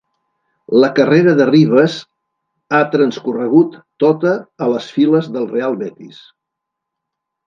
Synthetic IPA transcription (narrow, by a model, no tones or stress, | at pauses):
ləkəreɾəðəriβ̞əz | at̪ɾənskurəɣ̞ut̪ːot̪əːləsfiləzðəlˠrealˠβɛt̪ḭs